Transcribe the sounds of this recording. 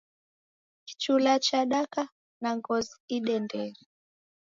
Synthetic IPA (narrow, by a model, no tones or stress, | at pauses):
ki̥t͡ʃulat͡ʃaɗaka | naŋɡɔziiɗɛndɛɾi